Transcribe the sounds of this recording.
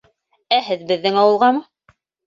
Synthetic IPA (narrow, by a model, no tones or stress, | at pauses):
æhɘ̆ðbɘ̆ðːɘŋɑwɤ̆lˠʁɑmɤ